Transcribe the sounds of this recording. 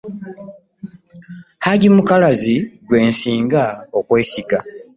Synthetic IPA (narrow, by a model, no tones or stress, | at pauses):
haɟimukalaziɡwe̞ːnsiːŋɡaokwe̞ːsika